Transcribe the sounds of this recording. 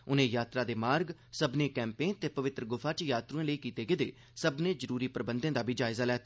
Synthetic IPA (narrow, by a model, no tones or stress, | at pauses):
ʊnẽːjaːt̪ɾaːd̪eːmaːɾɡsəbnẽːkɛ̃ːmpẽːt̪eːpəʋɪt̪ɾəɡʊpʰaːt͡ʃjaːt̪ɾuẽːləiːkiːt̪eːɡɪd̪ḛː | səbnẽːzəɾuːɾiːpɾəbə̃nd̪ẽːd̪aːbʱiːd͡ʒaːɪzaːlɛːt̪aː